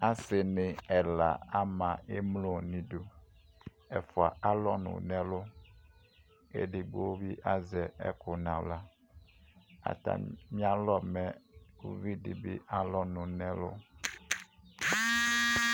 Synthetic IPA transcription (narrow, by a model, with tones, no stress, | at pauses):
a˦sɪ˨nɪ̃˨ɛ˨la̰˨a˦mã˨e˦mlo˦˨nĩ˨do˨ | ɛ˨fʊ˨a̰˨a˦lɔ˦nʊ̰̃˨nɛ̃˦lʊ˦ | ḛ˦dɪ˨ɡ͡bo˦wo˦bi˦ʔa˦zɛ˨ɛ̰˦kʊ˨nã˨wla˦ | a̰˨t̪a̰˨mĩ˦a˦lɔ˦mɛ˨u˦vi˦dḭ˨bḭ˦ʔa˦lɔ˦nʊ̃˨nɛ̃˦lʊ̰˦